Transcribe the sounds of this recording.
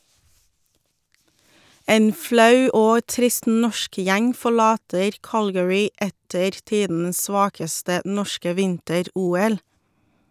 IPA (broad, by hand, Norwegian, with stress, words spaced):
ˈeːn ˈflɑʉ ˈoː ˈtɾɪst ˈnɔʃk ˈjæŋ fɔˈɭɑːtəɾ ˈkɑlɡəɹɪ ˈɛtəɾ ˈtiːdn̩əs ˈsʋɑːkəstə ˈnɔʃkə ˈʋɪntəˌɾuːˌɛl